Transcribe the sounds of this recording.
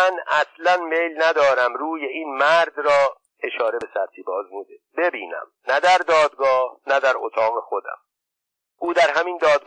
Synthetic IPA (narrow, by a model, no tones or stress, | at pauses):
ænʔæslænmejlnæd̪ɒːɾæmɾuːje̞iːnmæɾd̪rɒː | e̞ʃɒːɾe̞be̞sæɾt̪ʰiːbɒːzmuːd̪ebe̞biːnæ̰mnæd̪æɾd̪ɒːd̪ɡɒːhnæd̪æɾot̪ʰɒːɣexo̞d̪æ̰m | ʔuːd̪æɾɦæmind̪ɒːd̪